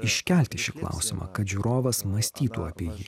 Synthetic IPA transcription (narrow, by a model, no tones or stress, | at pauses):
ɪʃʲkʲɛˑlʲt̪ʲɪʃʲɪklˠɐ̰ʊsʲɪmʔɑ̰ːkɐt̪ʒʲuɾoːʋɐsmɐsʲt̪ʲiːt̪uːɐpʲiɛjiː